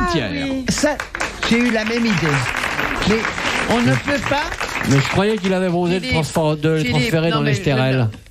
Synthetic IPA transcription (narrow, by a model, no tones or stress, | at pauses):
t̪jɛ̰saʒ̥eylamɛmid̪e | mɛɔ̃nəpøpamɛʒəkχwajɛk̬ilavɛozed̪ət̪χɑ̃sfd̪ələt̪χɑ̃sfeʁed̪ɑ̃lɛst̪eʁɛl